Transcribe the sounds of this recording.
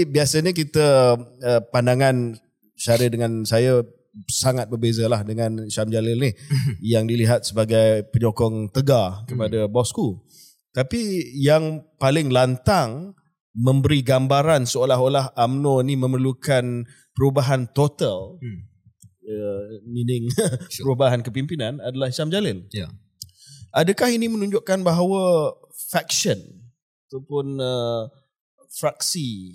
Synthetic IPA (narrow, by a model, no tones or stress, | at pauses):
biasaɲək̬it̪əəpandaŋan | t͡ʃaɾədəŋansaja | saŋat̪̚bərbezalahdəŋãnʃamd͡ʒalɪlnijaŋdiliɦat̪̚səbaɡajpəɲokɔŋt̪əɡakəpadabɔsku | t̪apijaŋpalɪŋlant̪aŋ | mə̃mbəɾiɡambaɾansəolaɦolaɦamnoinimə̃mərlukan | pəɾubaɦant̪ot̪al | əninɪŋpəɾubaɦankəpimpinãnadalahiʃamd͡ʒalɪn | ʔadəkahinimə̃nũɲd͡ʒʊʔkanbaɦawəfɛksən | at̪apʊnə | fɾaksi